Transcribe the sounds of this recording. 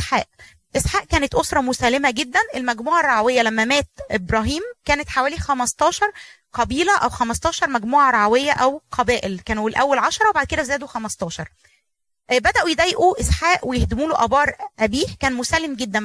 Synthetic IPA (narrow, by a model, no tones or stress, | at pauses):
ħaːʔ | ʔesħaːʔkæːnet̪ʔosɾˤɑmosælːemæɡed̪ːænʔelmæɡmuːʕɑrˤːɑʕawejːælæmːæmæːt̪ʔebɾˤɑːɦiːmkæːnet̪ħawæːlixæmɑst̪ˤɑːʃɑɾˤqɑbiːlæʔæwxæmɑst̪ˤɑːʃɑɾˤmæɡmuːʕɑɾˤɑʕawejːæʔæwqʰɑbæːʔelkæːnuwelʔæwːælʕɑʃɑɾˤɑwebaʕd̪̚ked̪æzæːd̪oxæmɑst̪ˤɑːʃɑɾˤ | bæd̪æʔujed̪æjːeʔuʔesħaːʔwejehd̪ɪmuːloʔæbɑːɾˤʔæbiːhkæːnmosælːemɡed̪ːæ